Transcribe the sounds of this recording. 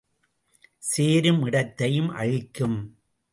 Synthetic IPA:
seːɾɯmɪɽɐt̪ːɐjɯmʔɐ̰ɻɪkːɯm

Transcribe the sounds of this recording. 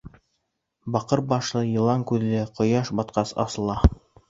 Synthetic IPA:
bɑqɤɾbɑʃlˠɤjɤ̆lˠɑŋkʉðlɘqŏjɑʃbɑt̪qɑsɑ̰sɤ̆lˠɑ

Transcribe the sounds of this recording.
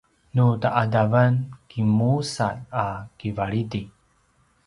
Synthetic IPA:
nutaʔadavənkimusat̚akivaɭidi

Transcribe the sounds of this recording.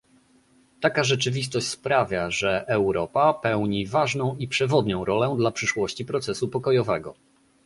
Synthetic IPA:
t̪akaʐɛt͡ʂɘvʲist̪ɔɕt͡ɕʲspɾavʲjaʐɛʔɛwɾɔpapɛwɲivaʐnɔ̃w̃ipʂɛvɔd̪ɲɔ̃w̃ɾɔlɛd̪lapʂɘʂwɔɕt͡ɕipɾɔt̪sɛsupɔkɔjɔvɛɡɔ̰

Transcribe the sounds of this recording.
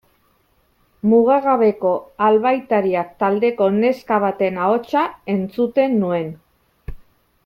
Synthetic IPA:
muɣ̞eɣaβe̞ko̞alβajt̪aɾiakt̪ald̪e̞ko̞ne̞skaβ̞at̪e̞nao̞t͡ʃae̞nt͡sut̪e̞nːue̞n

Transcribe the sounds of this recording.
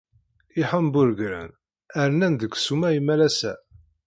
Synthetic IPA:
iħəmbʊɾɡɾæ̰n | æɾnænd̪əkʷːsumæjimælæsæ

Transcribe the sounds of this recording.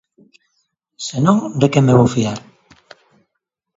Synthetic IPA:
senõŋd̪ekemeβowfiaɾ

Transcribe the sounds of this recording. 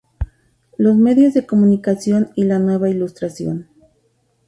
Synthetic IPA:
lo̞sme̞ðjo̞zðe̞ko̞mũnikasjo̞nilanwe̞βailust̪ɾasjo̞̰n

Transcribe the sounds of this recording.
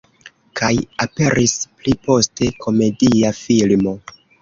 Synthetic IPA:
kʰajape̞ɾʔisplipo̞ste̞kʰo̞me̞diafilmo̞

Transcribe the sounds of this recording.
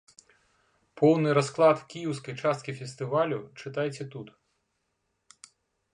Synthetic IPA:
pʰɔwnɪjɾɔsklˠɑd̪wkʲijiwsʲkɔjt͡ʃɑst̪kʲifʲest̪ɪʋɑlʲʊt͡ʃɪt̪ɑjet͡sʲːɐt̪ut̪

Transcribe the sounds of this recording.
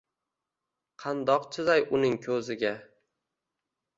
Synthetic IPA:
qʰɑnd̪ɒqt͡ʃʰɪzajʔʊnɪŋkʲʰɵzɪɡʲa

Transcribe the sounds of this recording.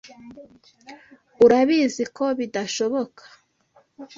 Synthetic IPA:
uɾaβiziko̞βidaʃo̞βo̞kʰḁ

